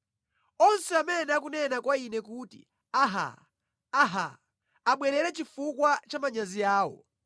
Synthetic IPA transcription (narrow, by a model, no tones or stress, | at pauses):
ɔnsɛamɛnak̬unɛnakwainɛkuːtḭ | aɦa̰ | aɦa̰ | aɓwɛɾɛɾɛt͡ʃifukwat͡ʃamaɲaziaːwɔ̰